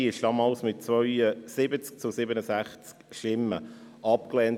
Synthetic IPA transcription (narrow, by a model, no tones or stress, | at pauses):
ɪʃd̥ɑːmɑlsmɪt̚t͡svœʏəsɪbət͡sk̚t͡sʊsɪbənəsæχt͡skʃɪmːə̰ʔɑp̚klɛːn